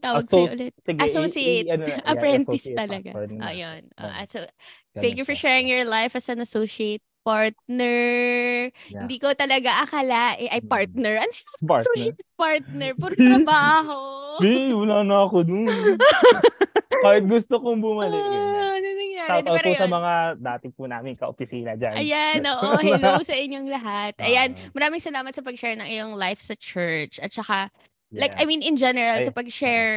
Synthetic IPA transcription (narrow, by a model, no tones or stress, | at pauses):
t̪aːwɐɡʔʊ̰lɛt̪̚ɛɡɐsosiejtɐʔɐpɾɛnt̪ɪst̪ɐlɐɡa̰ʔɐ̰jonʔo̰ʔɐ̰so | t̪ɛ̃ŋkjufɔɹʃɛːɹɪŋjɔɹlajfɐsɐnɐsoːʃiejt̪̚paɹt̪̚nɛɹ | hɪnd̪iːkot̪ɐlɐɡaʔɐkalaʔɛʔɐjpaɹt̪̚nɛɹɐnsoːʃepaɹt̪̚nɛɹpɔɾt̪ɾɐbaːɦoewɐlaːnaɐkod̪ʊn | kaːhɪt̪̚ɡʊst̪okoŋbʊmɐlɪɐnɐnɐŋjaːɾd̪aɐposɐmɐŋad̪aːt̪ɪpunaːmɪŋkɐʔopɪsiːnɐd͡ʒa̰nɐjanʔoːʔolosɐʔɪɲːoŋlɐɦat̪ʔɐjanmɐɾaːmɪŋsɐlaːmɐt̪̚sɐpɐɡ̚ʃɛɹnɐŋʔɪjoŋlajfsɐt͡ʃɛɹt͡ʃɐt̪̚t͡ʃɐka | lajkʔɐjminɪnd͡ʒɛnɛɹɐlsɐpɐɡ̚ʃɛɹ